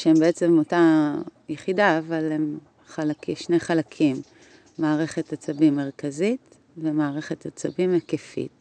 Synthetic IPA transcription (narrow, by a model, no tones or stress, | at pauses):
ʃeembeet͡se̞motajeχidaːvalem | χalakiʃnejχalakʰimː | aːʁe̞χe̞tat͡sabimːeʁkazit | vemaːʁe̞χe̞t̪at͡sabimakefḭt̚